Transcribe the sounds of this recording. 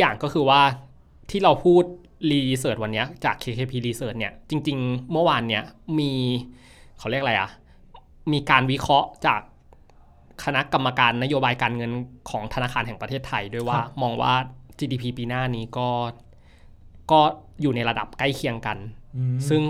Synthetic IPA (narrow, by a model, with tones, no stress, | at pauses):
jaː˨˩ŋkɔː˥˩ɯː˧waː˥˩ | t̪ʰiː˥˩ɾa˧wpʰuː˥˩t̪̚ | liː˧s̬ɤː˨˩t̪̚wa˧nːi˦˥ɐt͡ɕaː˨˩kʰːeː˧eː˧pʰiː˧liː˧sɤː˨˩t̪̚ni˥˩ɐt͡ɕi˧ŋt͡ɕi˧ŋmɯ˥˩˨waː˧nːi˦˥ɐmiː˧ | kʰa˨˩wli˥˩ək̚la˧jʔa̰˨˩ | miː˧kaː˧nwi˦˥kʰɾɔ˦˥ʔt͡ɕaː˨˩k̚ʰː | a˧na˦˥ʔka˧mːa˧kaː˧nːa˦˥joː˧baː˧jkaː˧nŋɤ˧nkʰɔː˩˦ŋt̪ʰa˧naː˧˥˩kʰaː˧nɦɛ˨˩ŋpɾa˧t̪ʰeː˥˩t̪ʰːa˧jdu˥˩jwaː˥˩mɔː˧ŋwa̰ː˥˩t͡ɕiː˧diː˧pʰiː˧piː˧naː˥˩niː˦˥kɔː˥˩ | kɔː˥˩juː˨˩na˧jɾa˧da̰˨˩p̚ka˥˩jkʰi˧əŋka˧nsɯ˥˩ŋ